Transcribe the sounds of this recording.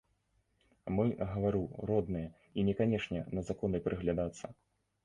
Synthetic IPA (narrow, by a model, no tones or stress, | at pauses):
mɨɣɐvaɾɨɾɔd̪nɨjɛ | inʲɛkanʲɛʂnʲɛnɐzakɔnɨpɾʔɨɣlʲad̪at̪sːɐ